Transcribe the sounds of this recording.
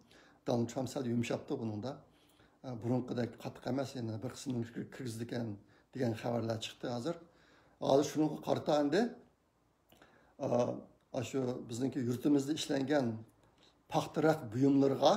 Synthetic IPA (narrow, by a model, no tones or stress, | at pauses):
d̪̥ɑnɑld̪t̪ʰɾɑmpsɛljumʃɑp̚t̪ɨbunɨŋd̪ɑ | buɾʊɴqəd̪ɛkʲqʰɑt̪ʰːə̥qæmɛsjɛnɪbɪɾqʰə̥smnɪŋpʰʲi̥kʲʰɪɾʲkʲʰiɾɡʲizɪd̪ɪkʲɛn | d̪̥eɡʲɛnχævæɾlæɾt͡ʃʰə̥χt̪ɨɦɑːzɨɾ | hɑ̰ːzɨɾʃunɨŋqɑqʰɑ̰ɾt̪ɑɛnd̪ɪ | ɑ̰ʃubɪznɪŋkʲijuɾt̪ʰɪmɪzd̪ɪiʃlɛŋɡʲɛn | pʰɑχt̪ɨɾɑqbujumlˠɨɾəʁɑ